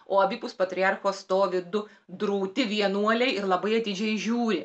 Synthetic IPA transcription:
oːɐbʲiːpʊspɐt̪ʲɾʲɪɑrxoːst̪oːʋʲɪd̪ʊ | d̪ɾuʊt̪ʲɪʋʲiɛnuɔlʲɛɪɪɾlˠɐbɐɪɐt̪ʲɪd͡ʒʲɛɪʒʲuːɾʲɪ

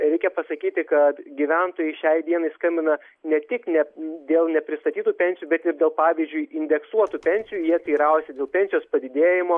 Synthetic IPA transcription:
ɾʲɛɪkʲɛpɐsɐkʲiːt̪ʲɪkɐt̪ɡʲiʋʲɛnt̪oːjɛɪʃʲɛɪd̪ʲiɛnɐɪskɐmʲbʲɪnɐ | nʲɛt̪ʲɪknʲɛd̪ʲeːlˠnʲɛpʲɾʲɪst̪ɐt̪ʲiːt̪uːpʲɛnʲsʲɪjuːbʲɛt̪ɪrd̪ʲeːlˠpɑːʋʲizʲd͡ʒʲʊɪɪnʲd̪ʲɛksuɔt̪uːpʲɛnʲsʲɪjuːjiɛt̪ʲiːɾɐˑʊsʲɛdʲeːlˠpʲɛnʲsʲɪjoːspɐd̪ʲɪd̪ʲeːjɪmoː

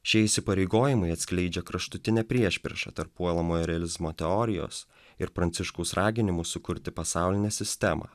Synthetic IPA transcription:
ʃʲiɛɪsʲɪpɐɾʲɛɪɡoːjɪmɐɪɐt̪ʲsʲkʲlʲɛɪd͡ʒʲɛkɾɐʃt̪ʊt̪ʲɪnʲɛpʲɾʲiɛʃʲpʲɾʲɛ̰ʃɐ̰t̪ɐɾpuɔlˠɐmoːjɾʲɛɐlʲɪzmoːt̪ʲɛɔɾʲɪjo̰ːs | ɪɾpɾɐnʲt̪sʲɪʃkɐʊsɾʔɑːɡʲɪnʲɪmʊssʊkʊɾʲt̪ʲɪpɐsɑˑʊlʲɪnʲɛsʲɪsʲt̪ʲɛmɐ̰ː

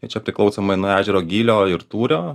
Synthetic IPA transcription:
ɐɪt͡ʃʲɛpʲɾʲɪklˠɒʊsoːmɐɪnoːæːʒʲɛɾoːɡʲiːlʲoːɪɾt̪uːɾʲoː

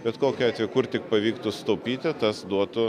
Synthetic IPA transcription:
bʲɛt̪koːkʲʊɑːt̪ʋʲɛkʊrt̪ʲɪk̚pɐʋʲiːkt̪ʊst̪ɐʊpʲiːt̪ʲɪt̪ɐsd̪uɔt̪ʊ

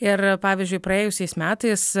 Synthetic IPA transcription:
ɪɾpɑːʋʲɪzʲd͡ʒʲʊɪpɾɐeːjʊsʲɛɪsmʲæːt̪ɐɪs

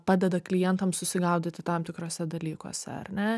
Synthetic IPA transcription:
pɑːd̪ʲɛd̪ɐklʲɪjɛnt̪ɐmsʊsʲɪɡɐʊd̪ʲɪt̪ʲɪt̪ɐmt̪ʲɪkɾoːsʲɛd̪ɐlʲiːkoːsʲɛ̰ɐ̰rnʲɛ

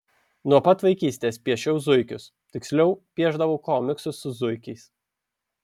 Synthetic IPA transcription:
nuɔpɐt̪ʋɐɪkʲiːsʲt̪ʲeːspʲiɛʃʲɛʊzʊɪkʲʊs | t̪ʲɪksʲlʲɛʊpʲiɛʒd̪ɐʋɐʊkoːmʲɪksʊsʊzʊɪkʲɛɪs

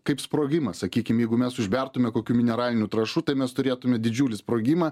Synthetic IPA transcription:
kɐɪpspɾoːɡʲɪmɐsɐkʲiːkʲɪmjɛɪɡʊmʲɛsʊʒʲbʲɛrt̪ʊmʲɛkoːkʲuːmʲɪnʲɛɾɑːlʲɪnʲuːt̪ɾɐʃuːt̪ɐɪmʲɛst̪ʊɾʲeːt̪ʊmʲɛd̪ʲɪd͡ʒʲuːlʲɪspɾoːɡʲɪmɐː

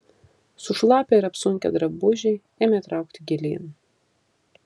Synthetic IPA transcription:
sʊʃlˠɑːpʲɛɪɾɐpsʊŋʲkʲɛ̰d̪ɾɐbʊʒʲɛ | ɛːmʲɛt̪ɾɑˑʊk̚t̪ʲɪɡʲɛlʲeːn

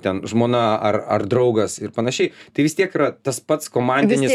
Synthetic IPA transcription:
t̪ʲɛnʒmoːnɐɐrɐ̰rd̪ɾɐʊɡɐsɪrpɐnɐʃʲɛɪt̪ɐɪʋʲɪst̪ʲiɛkiɾɐt̪ɐspɐt̪skoːmɑnʲd̪ʲɪnnʲɪ

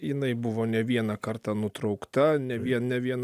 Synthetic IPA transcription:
jɪnɐɪbʊʋoːnʲɛʋʲiɛnɐkɐrt̪ɑːnʊt̪ɾɒʊkt̪ɐnʲɛʋʲiɛnʲɛʋʲiɛn

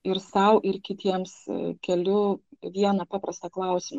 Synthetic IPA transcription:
ɪɾsɐʊʔɪɾkʲɪt̪ʲiɛmskʲɛlʲʊʋʲiɛnɐpɑːpɾɐst̪ɐklˠɐˑʊsʲɪmɐ

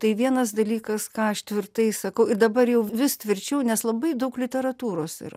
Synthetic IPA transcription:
t̪ɐɪʋʲiɛnɐsd̪ɐlʲiːkɐskɑːɐʃt̪ʲʋʲɪrt̪ɐɪsɐkɐʊɪɾd̪ɐbɐɾjɛʊʋʲɪst̪ʲʋʲɪɾʲt͡ʃʲɛʊnʲɛslˠɐbɐɪd̪ɐʊklʲɪt̪ʲɛɾɐt̪uːɾoːsɪ̰ɾɐ

